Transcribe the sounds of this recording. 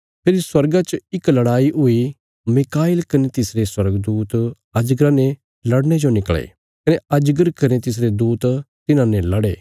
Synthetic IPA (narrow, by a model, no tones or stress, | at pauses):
pʰeːɾiswɐɾɡat͡ʃɪklɐɽaːiɦʊi | mɪkaːɪlkɐnet̪ɪsɾeswɐɾəɡd̪uːt̪ | ɐd͡ʒɡɾãne | lɐɽñed͡ʒonɪkɭḛː | kɐneɐd͡ʒɡəɾkɐɾẽt̪ɪs̬ɾed̪uːt̪t̪ɪnãnɛlɐɽḛː